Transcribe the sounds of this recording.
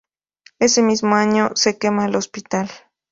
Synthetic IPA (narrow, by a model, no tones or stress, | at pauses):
esemismoaɲosekemalospit̪al